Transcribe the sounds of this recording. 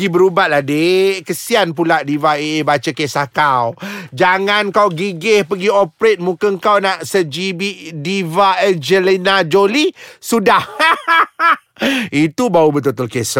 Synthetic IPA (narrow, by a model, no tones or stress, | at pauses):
ibəɾubat̪̚ladekəsianp̬ulaʔdivaeːbat͡ʃəkesahkawd͡ʒaŋankawɡiɡehpəɡiopɾet̪̚mũkəŋkawnaʔsəd͡ʒibiʔdivaɛnd͡ʒəlinad͡ʒolisudah | it̪ubaubət̪ut̪ʊlkes